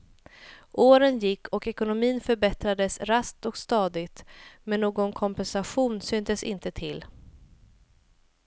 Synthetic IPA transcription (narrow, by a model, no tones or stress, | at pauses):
ʔoːɾənjɪkːɔkɛkʊnʊmiːnfœɾbɛt̪ɾad̪əsɾask̚t̪ɔkst̪ɑːd̪ɪɡt̪mɛnːoːɡɔnkʰɔmpɛnsaɧuːnsyːnt̪əsɪ̰nt̪ət̪ʰɪlː